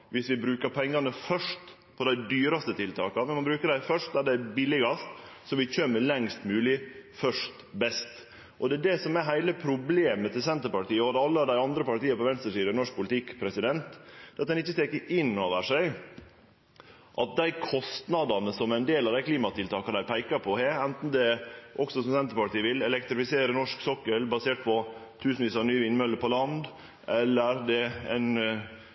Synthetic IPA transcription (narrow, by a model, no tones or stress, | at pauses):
ʋɪsʋɪbɾʉːkəɾpʰɛŋːɑnəfœʂt̪ | pʰɔd̪æɪd̪yːɾɑst̪ət̪ʰɪlt̪ʰɑ̰ːkɑmɛnmɑnbɾʉːkəɖæɪfœʂʈ̚d̪æɖɛbɪlɪɡɑst̪sɔʋɪc͡çøːməlɛŋst̪mʉːlɪfœʂt̪bɛst̪ | ʔɔd̪ɛːd̪ɛsɔmæɾɦæɪləpʰɾʊbleːmət̪ɪlsɛnt̪əɾpɑʈiːəɔd̪ɛɑlːəd̪æɪɑnd̪ɾəpɑʈiːəpɔʋɛnst̪əʂiːd̪ənɔʂk̚pʰʊlɪt̪ʰɪkːpʰɾɛsɪd̪ɛnt̪d̪̥ɛːɑt̪d̪ɛnɪçːəst̪ɛːkːəɾʔɪnːoːʋəʂæɪ | ʔɑt̪̚d̪æɪkʰɔst̪nɑd̪ɑnəsɔmæɪnd̪eːlɑʋd̪æɪkʰliːmɑt̪ɪlt̪ʰɑːkəd̪æɪpʰæɪkɑpʰɔheːɾɛnt̪n̩d̪ɛʔɔksɔsɔmsɛnt̪əɾpɑʈiːəʋɪlɛlɛk̚t̪ɾɪfɪseːɾənɔʂksɔkːəlbɑseːʈ̚pʰɔt̪ʰʉːsnʋiːsɑnyːəʋɪnmœlːəɾpʰɔlɑnd̪ | ʔɛlːəɾd̪ɛæ̰ɪn